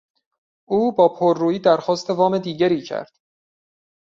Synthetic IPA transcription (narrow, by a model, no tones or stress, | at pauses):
ʔuːbɒːpʰoɾːuːiːd̪æɾxɒːst̪ʰe̞vɒːme̞d̪iːɟæɾiːcʰæ̰ɾd̪̥